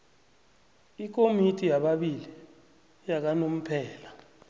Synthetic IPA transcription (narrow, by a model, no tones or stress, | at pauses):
ik̬omitʰʼijaɓaɓili | jak̬anom̩pʰɛːla